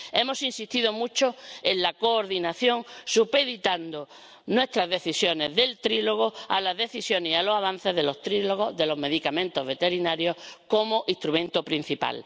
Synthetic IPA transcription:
e̞mo̞sinsist̪iðomut͡ʃoe̞nlako̞ːɾðinaθjo̞ŋsupe̞ðit̪and̪o | nwe̞st̪ɾazðe̞θisjo̞ne̞zðe̞lt̪ɾilo̞ɣ̞oa̰laɦðe̞θisjo̞nehialo̞saβan̟θe̞ɦðe̞lo̞st̪ɾiloɣ̞oðe̞lo̞ɦme̞ðikamẽ̞nt̪oɦβe̞t̪e̞ɾinaɾjo̞hkomoʔiht̪ɾumẽ̞nt̪opɾin̟θipa̰l

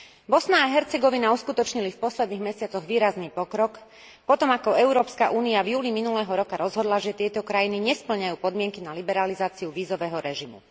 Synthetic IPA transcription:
bɔsnaːɦɛɾt͡sɛɡɔʋinauskut̪ɔt͡ʃɲilifpɔslɛd̪niːɣmɛsɪat͡sɔɣʋiːɾazniːpɔkɾɔk | pɔt̪ɔmakɔɛʊɾɔːpskaʔuːniavjuːliminulɛːɦɔɾɔkaɾɔzɦɔd̪laʒɛt̪ɪɛt̪ɔkɾajiniɲɛspl̩ɲajuːpɔd̪mɪɛŋkinalibɛɾalizaːt͡siuʋiːzɔʋɛːɦɔɾɛʒimṵ

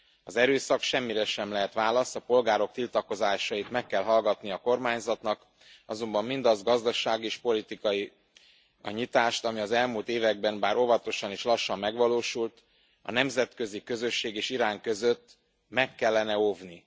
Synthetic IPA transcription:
ɒzɛɾøːsɒkʃɛmːiɾɛʃɛmlɛɦɛt̪ʋaːlɒst̪ɒpo̞lɡaːɾo̞k̚t̪ilt̪ɒko̞zaːʃɒjit̪mɛkːɛlɦɒlɡɒt̪niɒko̞rmaːɲzɒt̪nɒk | ɒzo̞mbɒmːind̪ɒzɡɒzd̪ɒʃaːɡieːʃpo̞lit̪ikɒji | ɒ̰ɲit̪aːʃt̪ɒmiɒzɛlmult̪eːvɛɡ̚bɛnbaːɾo̞vɒt̪o̞ʃɒniʃlɒʃːɒmːɛɡʋɒloːʃult̪ | ɒ̰nɛmzɛt̪kø̞zikø̞zø̞ʃːeːɡeːʃiɾaːŋkø̞zøt̪ː | mɛkːɛlːɛnɛo̞vni

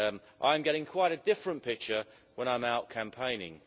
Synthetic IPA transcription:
ʔã̰ɪ̃mɡɛɾɪ̃ŋkʰw̥aɪɾɨdɪfɹə̃npʰɪk̚t͡ʃə˞ | wə̃ñãɪ̃maʊt̚kʰæ̃mpʰẽɪ̃nɪ̰̃ŋ

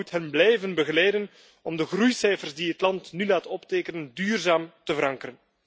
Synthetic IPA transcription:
utɦɛnblɛjvənbəɣəlɛjdən | ɔmdəɣrujsɛjfərzdiɦətlɑntnylaːtɔpteːkənəndyːrzaːmtəvəɾɑŋkəɾən

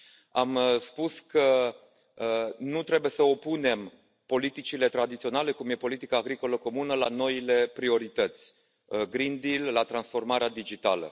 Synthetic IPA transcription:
amspuskə | nut̪ɾe̞bujesəo̞pune̞m | po̞lit̪it͡ʃile̞t̪ɾad̪it̪sio̞nale̞kumje̞po̞lit̪ikaːɡɾiko̞ləko̞munəla̰no̞ile̞pɾio̞ɾit̪ət̪sʲ | ɡɾind̪ilːat̪ɾansfo̞rmaɾead̪id͡ʒit̪a̰lə̰

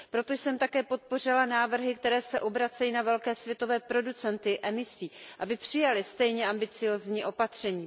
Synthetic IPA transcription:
pɾo̞t̪o̞jsɛmt̪akɛːpo̞t̪̚po̞r̝ɪlanaːvr̩ɦɪkt̪ɛɾɛːsɛʔo̞bɾat͡sɛjiːnavɛlkɛːsvjɛt̪o̞vɛːpɾo̞dut͡sɛnt̪ɪʔɛmɪsiːʔabɪpr̥ɪjalɪst̪ɛjɲɛambɪt͡sɪjo̞ːzɲiːʔo̞pat̪r̝̥ɛɲiː

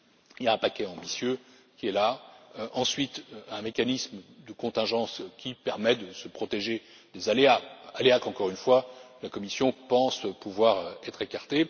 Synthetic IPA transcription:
iljaɛ̃pakʲɛɑ̃bisjø | kʲiɛlaʔɑ̃sɥit̪ɛ̃mekanismd̪əkɔ̃t̪ɛ̃ʒɑ̃skʲʰipɛʁmɛd̪əsəpχɔt̪eʒe | d̪ezaleaaleakɑ̃kɔʁynfwalakɔmisjɔ̃pɑ̃spuvwaʁɛt̪χekaʁt̪e

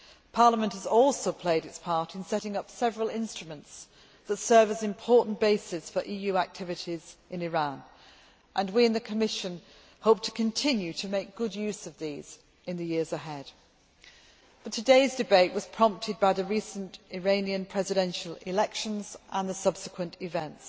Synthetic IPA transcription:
pʰɑɹləmə̃nthəzɔlˠsoʊpʰl̥eɪɾɨtspʰɑɹɾɨ̃nsɛɾɪ̃ŋʌpsɛvɹəl̩ˠɪ̃nstɹ̥əmə̃nts | ðətsɜ˞vəzɨ̃mpʰɔɹʔn̩b̥eɪsɪsfə˞ʔijʉak̚tʰɪvɨɾizɨ̃nɪɹæ̃n | ʔə̃nwiɨ̃nðɨkʰəmɪʃɨ̃n | hoʊp̚tʰə̥kʰɨ̃ntʰɪ̃njʉtʰɨmeɪk̚ɡ̥ʊdjʉsʌvðiz̥ | ɨ̃nðɨjɪəzəɦɛd̥ | b̥ʌtʰɨdeɪzdɨbeɪʔwʌz̥pʰɹ̥ɑ̃mp̚tʰɨd̚baɪðɨɹisə̃ntɪɹẽɪ̃niɨ̃npʰɹ̥ɛzɨɾɛ̃nʃəlˠɪ̰lɛkʃə̃nzʔə̃nðəsʌb̥sɨkʰwə̃ntɪvɛ̃nts

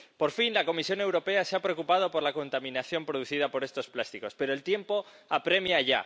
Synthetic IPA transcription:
po̞ɾfinlako̞misjo̞ne̞wɾo̞pe̞aseapɾe̞o̞kupað̞o̞po̞ɾlako̞nt̪amĩnaθjo̞mpɾoðuθiðapo̞ɾe̞st̪o̞splast̪iko̞spe̞ɾo̞elt̪je̞mpo̞ | apɾe̞mjaʝa̰

